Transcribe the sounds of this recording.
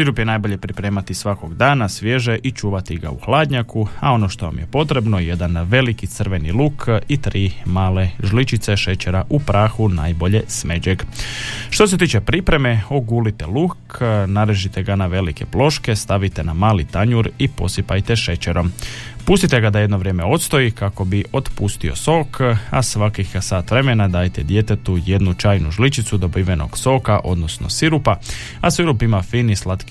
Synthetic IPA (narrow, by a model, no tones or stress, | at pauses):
siɾupjenaːjbo̞ʎe̞pɾipɾe̞ːmat̪isʋako̞ɡd̪aːnasʋje̞ʒeʔit͡ʃuːʋat̪iɡa̰uxlaːd̪ɲakuao̞no̞ʃt̪o̞ʋa̰mje̞po̞t̪ɾe̞bno̞jed̪anʋe̞likit̪sər̩ʋe̞nilukʰit̪ɾiːmaːle̞ʒlit͡ʃit̪seʃe̞t͡ɕe̞ɾaʔupɾaːxuna̰ːjbo̞ʎe̞sme̞d͡ʑeɡʃt̪o̞s̬e̞t̪iːt͡ʃe̞pɾipɾe̞me̞o̞ɡuːlit̪elukʰnaɾeʒit̪e̞ɡanaʋe̞like̞plo̞ʃke̞st̪aʋit̪e̞namaːlit̪aɲuɾipo̞sipajt̪eʃe̞t͡ɕeɾo̞mpuːst̪it̪e̞ɡad̪ajed̪noʋɾjeːme̞o̞t̪st̪o̞ikako̞biʔo̞t̪pust̪io̞so̞ːkʰa̰sʋakixsaːt̪ʋɾe̞me̞nad̪aːjt̪ed̪je̞t̪et̪uje̞d̪nut͡ʃaːjnuʒlit͡ʃit̪sud̪o̞biʋeno̞̰ɡ̥so̞kaʔo̞d̪no̞sno̞̰siɾupa | asiɾupimafiːnislat̪ki